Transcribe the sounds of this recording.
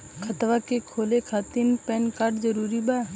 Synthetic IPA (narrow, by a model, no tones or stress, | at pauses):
kʰɐt̪ʋakekʰoːlekʰaːt̪inpɛːnkaɾd͡ʒəɾuːɾibaː